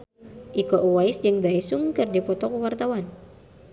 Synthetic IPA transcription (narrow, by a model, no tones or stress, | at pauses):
ʔikɔʔuwaisd͡ʒɨŋdaisuŋkɨrdipɔt̪ɔkuwart̪awan